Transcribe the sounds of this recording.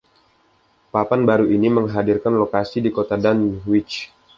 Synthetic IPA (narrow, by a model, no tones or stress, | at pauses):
papanbaɾuʔiniməŋɦadirkanlokasidikot̪adanwit͡ʃ